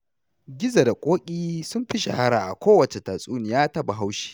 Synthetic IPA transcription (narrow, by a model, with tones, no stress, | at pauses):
ɡʲɪ˦za˨da˨kʷʼoː˦kʲʼiː˦sʊ˦mɸɪ˦ʃḛ˨ha˦ɽaː˨ʔa̰˨kʷoː˦wɐ˨t͡ʃe˨taː˨sʼuː˦ni˨jaː˦tɐ˦ba˨ɦa˦wʃi̥ː˦˨